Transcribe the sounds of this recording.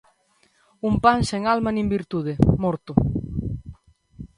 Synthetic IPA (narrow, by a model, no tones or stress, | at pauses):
umpanseŋalmanĩmbiɾt̪uð̞emɔɾt̪ʊ